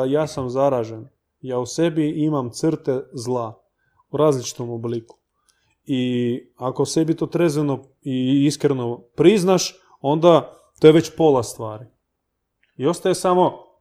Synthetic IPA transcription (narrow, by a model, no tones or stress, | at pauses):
jaːsamzaɾaːʒen | jaːuse̞biimamt̪sɨrt̪ezlˠa | uɾaːzlit͡ʃi̥t̪o̞mobliku̥ | iakose̞bit̪ot̪ɾe̞zʋeno̞ | iiskɾeno̞pɾiznaʃ | o̞nd̪a | t̪ojeʋe̞t͡ɕpo̞lˠast̪ʋaːɾi | io̞st̪ajesamo̞